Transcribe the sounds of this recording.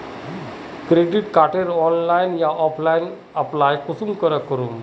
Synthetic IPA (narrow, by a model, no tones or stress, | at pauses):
kɾeɖiʈkaʈeɾɔnlajnjaʔɔpʰlajn | əplajkusumkəɾəkːəɾuːm